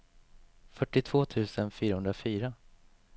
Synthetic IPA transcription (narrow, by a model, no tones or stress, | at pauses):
fœʈːɪt̪ʰv̥oːt̪ʰʉ̟ːsənfyːɾahɵnd̪ɾafyːɾa